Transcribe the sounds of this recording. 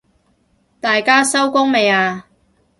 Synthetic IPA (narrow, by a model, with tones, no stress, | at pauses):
t̪aː˨jkaː˥sɐ˥wkʊ˥ŋme˨˧jaː˧